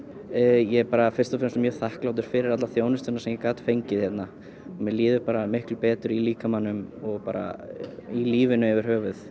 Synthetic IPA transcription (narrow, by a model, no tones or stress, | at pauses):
jɛpaːɾafɪr̥t̪ɔfɾnsmjœːθahklawt̪̬ʏɾ̥fɪɾɪɾat̪laθjoːwnʏst̪ɛnaɾsɛmjɛkaːt̪fejɲcɪθçjɛt̪na | ɔmɛliːðʏpaːɾamɪhklʏpɛːt̪ʏɾiliːkamanːʏmɔɣpaːɾa̰iliːvɪnʏɛvɪɾ̥ɦœːvʏθ